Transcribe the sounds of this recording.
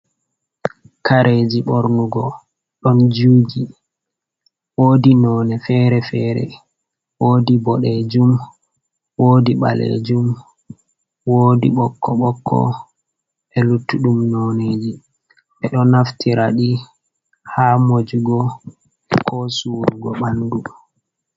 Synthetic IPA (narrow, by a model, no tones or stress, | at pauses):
kaɾʔed͡ʒiɓɔɾnuɡɔ | ɗɔnd͡ʒuːd͡ʒi | woːdinɔːnɛfɛɾɛfɛːɾɛ̰ | wodibɔɗed͡ʒum | woːdiɓa̰lḛd͡ʒum | woːdḭɓɔkʰːɔɓɔkʰːɔ̰ | ɛlutːuɗumnɔned͡ʒi | ʔɛɗɔnaftʰiɾaɗi | haːmod͡ʒuɡɔ | kʰɔsuɾuɡɔɓandu